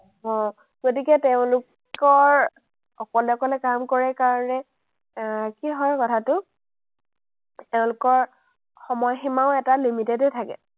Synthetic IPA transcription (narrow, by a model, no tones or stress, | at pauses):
ɔ̃ | ɡ̥otikɛteʊ̃lʊk | ɔɹ | ɔkɔlɛɔkɔlɛkamkɔɹɛkaɹɔnɛ | kiɦɔjkɔtʰatʊ | teʊ̃lʊkɔɹ | xɔmɔjximaʊ̃ɛtalimitedetʰakɛ̰